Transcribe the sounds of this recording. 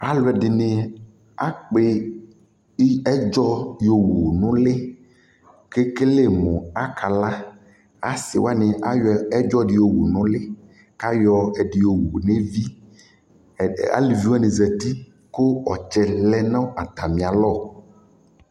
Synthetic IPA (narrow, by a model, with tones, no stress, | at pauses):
a˦lʊ˨˦ɛ˨dɪ˨nɪ̃˨ | a˦k͡pe˦ | ɛ˦d͡ʒɔ˦jo˨wuu˨nʊ̃˦lɪ˦ | ke˦ke˦le˦˨mõ˨a˦kʰa˨la˦ | a̰˦sɪ˨wa˦nɪ̃˨a˦jɔ˨ɛ˦d͡ʒɔ˦dɪ˨jo˨wṵ˨nʊ̃˦lɪ˦ | ka˦jɔ˨ɛ˨ɖɪ˨jo˨wo˨ne˦vi˦ | a̰˦li˨vi˦wɛ˦nẽ˨zɛ˨t̪i˦ | ko˦ɔ˨t͡ʃɛ˨lɛ˦nã˦a˨t̪a˨mĩ˨a˨lɔ˦˨